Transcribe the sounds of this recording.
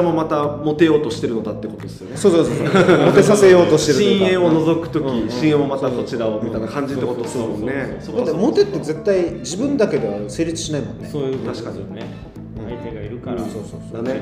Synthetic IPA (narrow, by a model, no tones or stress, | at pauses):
amo̞mat̪amo̞t̪e̞jo̞ːt̪o̞ɕi̥t̪e̞ɾɯ̟no̞d̪at̪ːekot̪od̪esɨjo̞nsoːsoːsomot̪e̞sase̞jo̞ːt̪oɕi̥t̪e̞ɾɯɕĩɰ̃ẽ̞ɰ̃ono̞zo̞kɯ̟̥t̪o̞kʲiɕĩẽmomat̪ako̞t͡ɕiɾaomʲit̪ainakãɲ̟d͡ʑit̪ːekot̪osɾɯmonne | d̪at̪ːemo̞t̪e̞t̪ːe̞ze̞t̪ːaid͡ʑibɯ̟̃nd̪ake̞d̪e̞βase̞ːɾʲit͡sɨ̥ɕinaimõ̞nːet̪aɕi̥kaɲi | ɯ̃ɴ | so̰ːsod̪ane